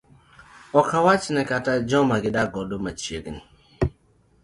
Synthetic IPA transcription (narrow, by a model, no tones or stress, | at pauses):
ɔkawat͡ʃnɛkatad͡ʒɔmaɡɪdaɡɔdomat͡ʃjeɡni